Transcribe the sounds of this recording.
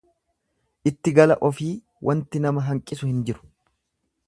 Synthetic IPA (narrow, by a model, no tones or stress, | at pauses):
ʔɪt̪ːɪɡɐlɐʔɔfiː | wʔɐnt̪ɪnɐmɐɦɐŋkʼɪsʊhɪnd͡ʒɪɾʊ̥